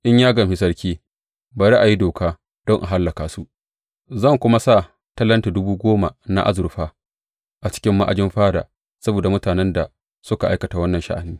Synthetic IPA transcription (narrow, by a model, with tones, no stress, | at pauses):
ʔɪ˦ɲjaː˦ɡɐ˨mɸɪ˦s̬ɐ˦rkʲiː˦ | baː˨ɾiː˦ʔa˨ji˦doː˨kaː˦ | d̥ɔ˦ŋʔa˨ɦa˦lːɐ˨kaː˨su˦ʔ | zɐ˦˨ŋkʷʊ˦ma˦sa˦˨ | tɐ˦lːɐ˦nte˨dʊ˦buː˦ɡʷoː˦ma˨na̰˦ʔa˦zʊ˨ɾɸaː˦ | ʔa˨t͡ʃɪ̥˦kʲɪ˦mːa˦ʔa̰˨d͡ʒɪ˦mɸaː˦da̰ː˨ | sɐ˦boː˨da˨mʊ˦taː˨nɛ˦nda˨ | sʊ˦ka˨ʔa˦jkɐ˨ta˨wɐ˦nːɐ˨nʃa̰˦ʔa˨niː˦